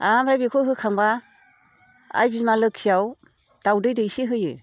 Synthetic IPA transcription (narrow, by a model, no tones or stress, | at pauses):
amɾajbikʰɔɦɯkʰaŋba | a̰jbimalɯkʰːijaw | d̥awdɯjdɯjsiɦɯjɯ̰